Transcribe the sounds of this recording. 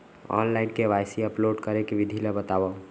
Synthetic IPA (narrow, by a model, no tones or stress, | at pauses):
ɔ̰ːnlaɪnkeʋajsiəploːɖkəɾekeʋid̪ʱilebət̪aːwa